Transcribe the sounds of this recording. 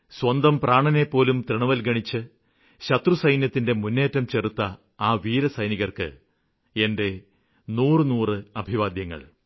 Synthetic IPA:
swɐnd̪ɐmpraːɳɐne̞pːo̞ːlumt̪riɳɐʋɐlɡɐɳit͡ɕːɨ | ɕɐt̪rusɐjnjɐt̪ːinde̞munːe̞ːtːɐmt͡ɕe̞rut̪ːɐ | aːʋiːɾɐsɐjniɣɐrkɨ̰ | e̞nde̞ | nuːrɨnuːrɨɐbʱiʋaːd̪jɐŋːɐ̰ɭ

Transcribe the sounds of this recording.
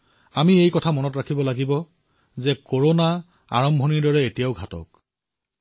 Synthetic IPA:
amiejkɔtʰamɔnɔtɹakʰibɔlaɡibɔ | zɛkoɹona | a̰ɹɔmbʱɔniɹdɔɹɛetijaʊɡʱatɔ̰k̚

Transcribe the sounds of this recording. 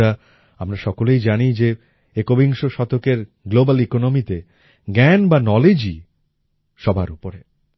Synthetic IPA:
ɾa | amɾaʃɔkolejd͡ʑanid͡ʑe | ekobiŋʃoʃɔt̪okeɾ | ɡlobalikonomit̪e | ɡɛnbanɔled͡ʑi | ʃɔbʱa̰ɾupoɾe

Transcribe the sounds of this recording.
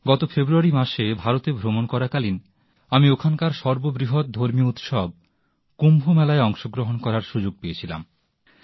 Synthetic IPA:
ɡɔt̪ofebɾuaɾimaʃebʱaɾot̪ebʱɾomonkɔɾakalin | amiokʰankaɾʃɔɾbobɾiɦot̪̚d̪ʱoɾmiout̪ʃɔb̚ | kumbʱumɛlaeɔŋʃoɡɾoɦonkɔɾaɾʃud͡ʑoɡ̚peet͡ɕʰila̰m

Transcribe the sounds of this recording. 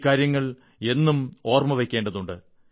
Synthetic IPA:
kːaːɾjɐŋːɐɭ | e̞nːumo̞ːrmɐʋekʲːe̞ːɳɖɐðuɳɖɨ

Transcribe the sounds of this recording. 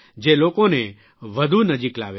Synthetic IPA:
d͡ʒelokone | ʋəd̪ʱunəd͡ʒikla̰ʋe

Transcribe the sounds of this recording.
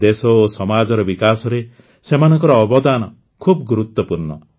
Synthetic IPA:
d̪esɔosɔmad͡ʒɔɾɔbikasɔɾe | semanɔŋkɔɾɔːbɔd̪anɔ | kʰub̚ɡuɾut̪wɔpuɾɳɔ̰

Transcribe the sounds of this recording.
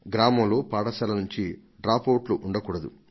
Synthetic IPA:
ɡɾaːmɐmloːpaːɽɐsɐlɐnuɲt͡ʃi | ɖɾaːpoːʈluʔuɳɖɐkuːɽɐd̪ṵ

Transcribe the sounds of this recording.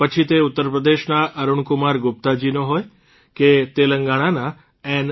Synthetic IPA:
pət͡ʃʰit̪eut̪ːəɾpɾəd̪eʃnaʔəɾuɳkʊmaɾɡʊp̚t̪ad͡ʒinoɦoj | ket̪eləŋɡaɽ̃ana | ɛn

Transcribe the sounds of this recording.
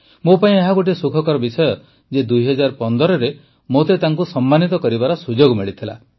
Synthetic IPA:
mopaĩeɦaɡoʈ̬isukʰɔkɔɾɔbisɔjɔ | d͡ʒed̪ujɦɔd͡ʒaɾpɔnd̪ɔɾɔɾe | mot̪et̪aŋkusɔmːanit̪ɔkɔɾibaɾɔsud͡ʒoɡmiɭit̪ʰila̰

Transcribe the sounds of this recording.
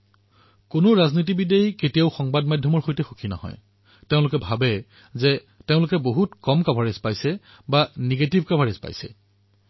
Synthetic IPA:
konʊɹaznit̬ibidejketijaʊxɔŋbadmadʱjɔmɔɹxojtɛxokʰinɔ̰hɔ̰j | teʊ̃lʊkɛbʱabɛ | zɛ | teʊ̃lʊkɛboɦutkɔmkabʱaɹezpajsɛ | baneɡetibʱkabʱaɹezpa̰jsɛ̰

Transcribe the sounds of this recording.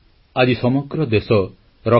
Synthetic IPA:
ad͡ʒisɔmɔɡɾɔd̪esɔ | ɾɔ

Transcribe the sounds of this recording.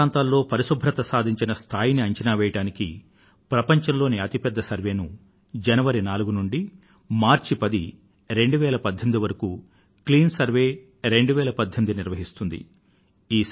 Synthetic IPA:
aːnt̪aːlːo̞ːpɐɾisubʱɾɐt̪ɐsaːd̪ʱiɲt͡ʃinɐst̪ʰaːjiniɐɲt͡ʃɐnaːʋɛːjɐʈaːniki | pɾɐpɐɲt͡ʃɐmlo̞ːniɐt̪ipɛd̪ːɐsɐɾʋe̞ːnu | d͡ʒɐnɐʋɐɾinaːluɡunuɳɖi | maːɾt͡ʃipɐd̪i | ɾe̞ɳɖuʋɛːlɐpɐd̪ʱːɐmid̪iʋɐɾɐku | kliːnsɐɾʋe̞ː | ɾe̞ɳɖuʋɛːlɐpɐd̪ʱːɐmid̪iniɾʋɐɦist̪und̪ḭ | iː

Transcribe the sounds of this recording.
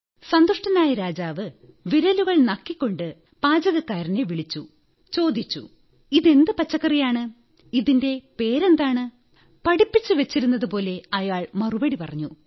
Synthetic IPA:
sɐnd̪uʂʈɐnaːjɐɾaːd͡ʑaːʋɨ | ʋiɾɐluɣɐɭnɐkːikʲːo̞ɳɖɨ | paːd͡ʑɐɣɐkːaːɾineʋiɭit͡ɕːu | t͡ɕo̞ːd̪it͡ɕːṵ | iðe̞nd̪ɨpɐt͡ɕːɐkːɐrijaːɳɨ | iðinde̞pe̞ːɾend̪aːɳɨ | pɐɽipːit͡ɕːɨʋet͡ɕːiɾunːɐðɨpo̞ːle̞ɐjaːɭmɐrubɐɽipɐrɐɲːu

